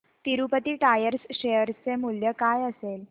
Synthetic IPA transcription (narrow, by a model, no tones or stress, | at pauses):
t̪iɾupət̪iːʈajəɾsɕejəɾt͡semuljəkajəsel